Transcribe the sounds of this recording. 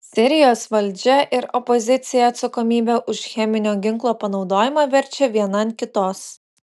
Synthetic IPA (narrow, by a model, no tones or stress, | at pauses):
sʲɪɾʲɪjoːsʋɐlʲd͡ʒʲɛʔɪɾɔpɔzʲɪt̪sʲɪjɛɐt̪sɐkɔmʲiːbʲɛʔʊʃxʲɛmʲɪnʲoːɡʲɪŋklˠoːpɐnɒʊd̪oːjɪmɑːʋʲɛɾʲt͡ʃʲɛʋʲiɛnɐnkʲɪt̪oːs